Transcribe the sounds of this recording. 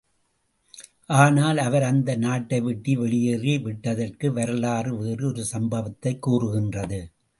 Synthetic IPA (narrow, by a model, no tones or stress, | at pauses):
ʔaːnaːlɐʋɐɾɐnd̪ɐnaːʈːɐɪʋɪʈːiʋɛɭɪjɐɾeːʋɪʈːɐðɐrkɯʋɐɾɯlaːrɯʋeːrɯɔɾɯsɐmbɐʋɐt̪ːɐɪkːuːrɯɣɪndrɐðɯ